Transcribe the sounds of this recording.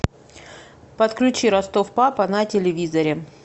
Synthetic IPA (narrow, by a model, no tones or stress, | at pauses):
pɐt̪klʲʉt͡ɕiɾɐst̪o̞fpapɐnɐtʲɪlʲɪvʲizɐɾʲɪ